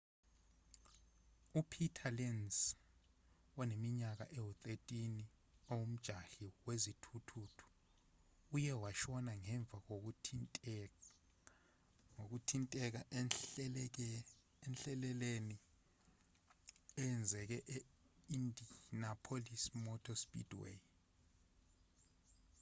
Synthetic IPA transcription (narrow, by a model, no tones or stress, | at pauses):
upʰitʰalɛns | wɔnemiɲak̬aʔɛwɔt̪ʼetʼin | owum̩d̥ʒ̥ʱaɬiwezitʰutʰutʰu̥ | ujɛwaʃɔnaŋɛɱb̪vʱak̬ok | ŋok̬utʰintʼɛk̬a | ɛnɬɛlɛleni | ɛɛnd͡zʱɛk̬ɛʔe | indʱinapʰolismɔtʰɔspʼḭdwḛ